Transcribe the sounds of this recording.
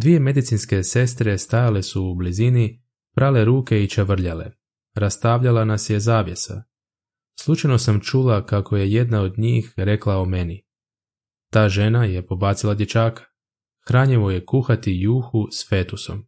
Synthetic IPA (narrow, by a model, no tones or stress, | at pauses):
d̪ʋije̞me̞d̪it̪sinske̞se̞s̬t̪ɾe̞st̪ajale̞suːblizini | pɾʔale̞ɾuːke̞it͡ʃaʋr̩ʎale̞̰ | ɾast̪aʋʎalanasje̞zaːʋje̞sa̰ | slˠut͡ʃajno̞samt͡ʃulakako̞je̞je̞d̪nao̞d̪ɲiːxɾe̞klˠaome̞ni | t̪aːʒe̞naje̞po̞baːt̪silˠad̪ʲjet͡ʃaːkḁ | xɾaːɲeʋo̞je̞kuxat̪ijuːxusfe̞ːt̪uso̰m